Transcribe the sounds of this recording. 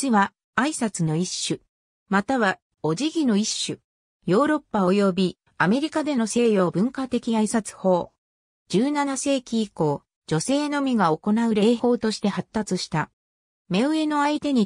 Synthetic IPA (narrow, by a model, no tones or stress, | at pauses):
iβaː | isat͡sɨno̞iɕːɨ | mat̪aβa | o̞ʑiɡʲino̞iɕːɨ | jo̞ːɾo̞pːao̞jo̞bʲi | ame̞ɾʲikad̪e̞no̞se̞ːjo̞ːbɯ̟̃ŋkat̪e̞kʲiaisat͡sɨ̥ho̞ː | d͡ʑɨːnanase̞ːkʲiːko̞ː | d͡ʑo̞se̞ːno̞mʲiɡao̞ko̞naɯ̟ɾe̞ːho̞ːt̪o̞ɕi̥t̪e̞hat̪ːat͡sɨɕi̥t̪a | me̞ɯ̟e̞no̞ait̪e̞ɲ̟i